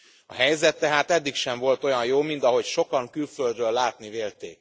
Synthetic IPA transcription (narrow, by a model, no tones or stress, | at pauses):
ɒ̰ɦɛjzɛt̪ːɛɦaːt̪ɛd̪ːikʃɛɱvo̞lt̪o̞jɒnjoːmint̪ɒɦo̞cʃo̞kɒŋkylføld̪røːlːaːt̪niveːlt̪ḛːk̚